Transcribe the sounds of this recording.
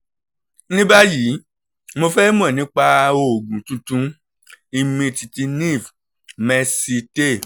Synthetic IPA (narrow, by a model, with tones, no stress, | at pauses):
nĩ˦ba˦ji˨˦ | mo˧fɛ˦mũ˦ɛ˦˨nĩ˨˦k͡pa˧o˨ɡũ˨tũ˨˧tũ˧˦ | i˧mĩ˧ti˨ti˧nĩ˦˨v | mɛ˧si˧te˦˨